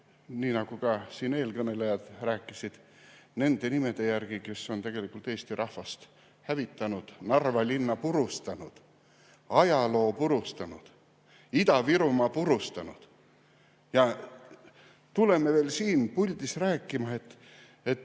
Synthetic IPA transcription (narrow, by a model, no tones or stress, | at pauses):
niːnɑɡ̥ukɑsiːne̞ːlkɤne̞lejɑd̪̥ræːkːˑisid̪̥ | ne̞nd̪̥e̞nime̞d̪̥e̞jærɡ̥ike̞sːo̞nt̪e̞ɡ̥e̞likːˑult̪ːˑe̞ːst̪iɾʔɑhvɑst̪ | hævit̪ːˑɑnud̪̥nɑrvɑlʲinːɑpuɾust̪ɑnud̪̥ | ɑjɑlo̞ːpuɾust̪ɑnud̪̥ | id̪ɑviɾumɑpuɾust̪ɑnud̪̥ | jɑ | t̪ule̞meve̞ːlsiːnpulʲd̪̥isræːkːˑimɑe̞t̪ː | e̞t̪ː